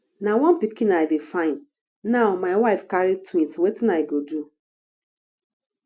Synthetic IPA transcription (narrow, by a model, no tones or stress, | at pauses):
nawɔ̃npikĩnaɪdefãɪ̃n | naʊmaɪwaɪfkaɾitwĩntwetinaɪɡodu